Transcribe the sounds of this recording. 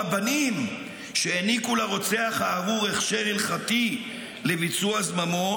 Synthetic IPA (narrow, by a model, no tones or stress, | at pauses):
banim | ʃeenikulaʁo̞t͡seaχhaːvuʁeχʃeʁilχati | levit͡suazmamo